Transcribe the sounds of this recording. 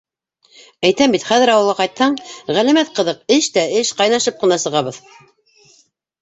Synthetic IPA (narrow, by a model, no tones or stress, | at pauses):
æjt̪æmbit̪χæðɘ̆ɾɑwɤ̆lˠʁɑqɑjt̪hɑɴʁælæ̆mæt̪̚qɤ̆ðɤqɘʃt̪æɘʃqɑjnɑʃɤp̚qɤ̆nɑsɤ̆ʁɑβɤð